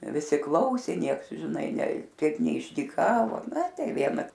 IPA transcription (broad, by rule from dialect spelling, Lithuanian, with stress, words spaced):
ʋʲɪˈsʲɪ ˈklˠɐʊsʲeː ˈnʲiɛks ʒʲɪˈnɐɪ nʲɛ ˈtʲiɛk nʲɛɪʒʲdʲiːˈkɑːʋoː nɐ ˈtɐɪ ˈʋʲiɛnɐ